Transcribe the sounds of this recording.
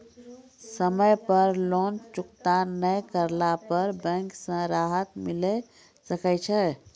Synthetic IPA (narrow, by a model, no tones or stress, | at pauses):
səməjpəɾlont͡ʃukt̪anəjkəɾlapəɾbə̃ŋksə̃ɾaɦət̪milɛ | səkɛt͡ʃʰɛ